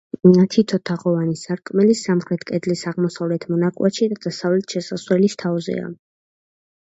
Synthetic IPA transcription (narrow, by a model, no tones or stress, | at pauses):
at̪ʰit̪ʰɔt̪ʰaχɔvanisaɾkʼmɛlisamχɾɛt̪ʰkʼɛd̪lisaʁmɔsavlɛt̪ʰmɔnakʼwaʃid̪ad̪asavlɛt̪ʰʃɛsaswɛlist̪ʰavzɛ̰a̰